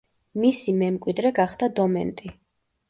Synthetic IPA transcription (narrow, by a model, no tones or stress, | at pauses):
misimɛmkʼwid̪ɾɛɡaχd̪ad̪ɔmɛ̰nt̪ʼi